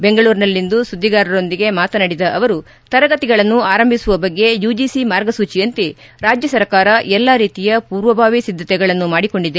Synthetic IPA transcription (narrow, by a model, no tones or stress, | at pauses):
be̞ŋɡɐɭuːɾnɐlːind̪usud̪ʱːiɡaːɾɐɾo̞nd̪iɡe̞maːt̪ɐnɐɽid̪ɐʔɐʋɐɾu | t̪ɐɾɐɡɐt̪iɡɐɭɐnːuaːɾɐmbʱisuʋɐbɐɡːe̞juːd͡ʒisimaːɾɡɐsuːt͡ʃijɐnt̪i | ɾaːd͡ʒjɐsɐɾkaːɾɐʔɛlːaːɾiːt̪ijɐpuːɾʋɐbʱaːʋisid̪ʱːɐt̪ɛɡɐɭɐnːumaːɽiko̞ɳɖid̪e̞